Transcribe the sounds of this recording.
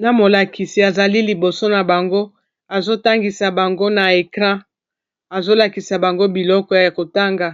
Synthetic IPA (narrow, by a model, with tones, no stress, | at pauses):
na˨mo˨la˨kʰi˨si˨a˨za˨li˦li˨bo˨so˦na˨ba˨ŋɡo˦ | a˨zo˦ta˦ŋɡi˨sa˨ba˨ŋɡo˦na˨e˨kʁã˦ | a˨zo˦la˨ki˨sa˨ba˨ŋɡo˦bi˨lɔ˦kɔ˦ja˨ko˨ta˦ŋɡa˨